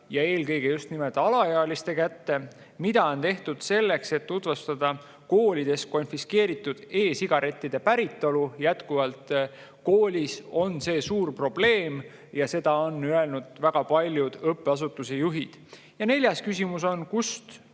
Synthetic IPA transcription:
jɑe̞ːlkɤ̞jɡ̥e̞just̪nimelt̪ɑlɑjeɑlist̪e̞kæt̪ːe̞ | mid̪̥ɑo̞nt̪e̞ht̪ud̪̥se̞lːe̞kse̞t̪ːut̪vest̪ɑd̪ɑ | ko̞ːlʲid̪̥e̞sko̞nfiske̞ːɾit̪ːˑud̪̥e̞ːsiɡ̥ɑɾʔe̞t̪ːid̪e̞pæɾit̪ːˑo̞lujæt̪kuvɑlt̪ | koːlʲiso̞nse̞ːsuːrpro̞b̥le̞ːm | jɑse̞d̪̥ɑo̞nːye̞lnud̪̥væɡ̥ɑpɑlʲjud̪̥ɤpːˑeɑs̬ut̪ːˑuse̞juɦid̪̥ | jɑne̞lʲjɑskysʲimuso̞nkust̪

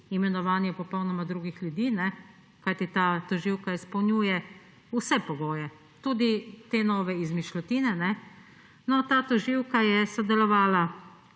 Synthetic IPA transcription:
imɛnɔʋaːnjɛpɔpɔwnɔmad̪ɾuːɡixljud̪iːnɛ | kajt̪it̪aːt̪ɔʒiwkaispɐwnjuːjɛ | usɛpɔɡoːjɛ | t̪ud̪it̪enɔːʋɛizmiʃlɔt̪iːnɛnɛ | nɔt̪aːt̪ɔʒiwkajɛsɔd̪ɛlɔʋaːla

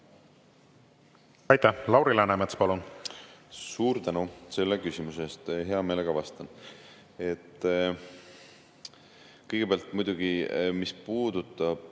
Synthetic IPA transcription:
ɑjt̪ːˑælɑwɾilænæmet̪spɑlun | suːɾt̪ænuse̞lːekysʲimuse̞st̪ɦe̞ɑmeːle̞ɡɑvɑst̪ɑn | e̞t̪ˑː | kɤjɡ̥e̞peɑlt̪mujd̪̥uɡ̥imispuːd̪̥ut̪ˑːɑb̥

